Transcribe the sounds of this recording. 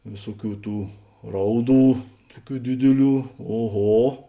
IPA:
ˈʋʲeːsuɔˌkʲuː ˈtuː ˈrɐʊˌduː ˈtuɔˌkʲuː ˈdʲɪdʲɪˌlʲuː oːˈɣoː

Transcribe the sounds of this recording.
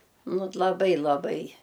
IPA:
ˈnʊ t lˠɐˈbɐɪ lˠɐˈbɐɪ

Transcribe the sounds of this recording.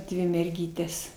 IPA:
ˈdʲʋʲɪ mʲɛrʲˈɡʲiːtʲɛs

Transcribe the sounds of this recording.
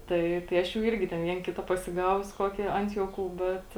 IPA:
ˈtɐɪ tɐɪ ˈɐʃ jɛʊ ˈɪrʲɡʲɪ tʲɛn ˈʋʲiɛn ˈkʲɪtɐ pɐsʲɪˈɡɑːʋʊs ˈkoːkʲiː ˈɐnt juɔˌkuː ˈbʲɛt

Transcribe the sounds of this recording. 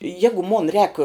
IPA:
ˈjæːɡʊ moːn rʲɛːk

